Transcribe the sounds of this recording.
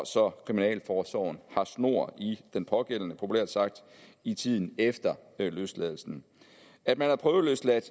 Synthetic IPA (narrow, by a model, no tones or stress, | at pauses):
sɒ̽kʰʁiminɛ̰ːlfɒːsɒ̰ʊn̩hɑ̈sno̝ɐ̰id̥enpʰɒ̽ɡ̥el̰nəpʰo̝pʰulæ̰ɐ̰d̥sɑ̈ɡ̥̚d̥it͡sʰið̞̰ˠn̩efd̥ɐløslɛðˠl̩sn̩ | æd̥̚mænhɑ̈pʰʁœːʊð̩ˠløslæd̥